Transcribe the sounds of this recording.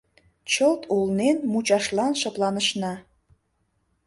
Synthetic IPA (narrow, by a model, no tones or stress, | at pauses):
t͡ɕəlt̪ʰulnenmut͡ɕɑʃlɑnʃɤ̆plˠɑnə̆ʃnɑ